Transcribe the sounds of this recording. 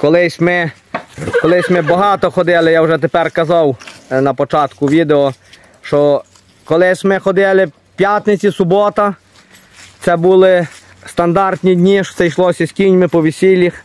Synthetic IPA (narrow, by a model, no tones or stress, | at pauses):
kɔlˠɪsʲmɪ | kɔlˠɪsʲmɪbɔɦɑt̪ɔxɔd̪ɪlˠɪjawʒɛt̪̬epɛrkɐzɑwnɐpɔt͡ʃɑt̪kʊʋʲid̪eɔ | ʃt͡ʃɔ | kɔlˠɪsʲmɪxɔd̪ɪlˠɪ | pʲjat̪ʲnet͡sʲisʊbɔt̪ɐ | t̪sɛbulˠɪ | st̪ɐnd̪ɑrt̪ʲnʲidʲnʲiʃɔ̥sɛjʃlˠɔsʲɐsʲkʲinʲmɪpɔʋʲisʲilʲːix